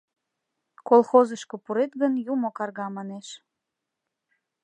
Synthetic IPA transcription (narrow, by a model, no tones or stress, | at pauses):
kolˠxozəʃkopuɾet̪ɣənjumokɑrɣɑmɑneʃ